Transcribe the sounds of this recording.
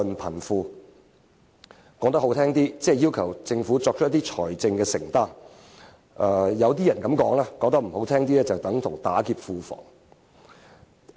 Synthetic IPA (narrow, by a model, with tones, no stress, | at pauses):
npʰɐ˨˩nfuː˧ | kɔː˨˥k̚t̪ɐ˥ho˨˥wt̪ʰɛː˥ŋt̪iː˥t͡sɛː˥˧jiː˥wkʰɐ˨˩wt͡sɪ˧ŋfuː˨˥t͡sɔː˧k̚t͡ʃ̚ʰjt̪iː˥t͡ʃʰɔː˨˩jt͡sɪ˧ŋkɛː˧sɪ̰˨˩ŋt̪aː˥n | ʔɛ˧jɐ˨˧wt̪iː˥jɐ˨˩nkɐ˨˧˥mkɔː˨˥ŋlaː˥kɔː˧k̚t̪ɐ˥k̚m̩˨˩ho˨˥wt̪ʰɛː˥ŋt̪iː˥lɛː˥t͡sɐ˨wt̪ɐ˨˥ŋt̪ʰʊ̰˨˩ŋt̪aː˨˥kiː˧p̚fuː˧fɔ̰ː˨˩ŋ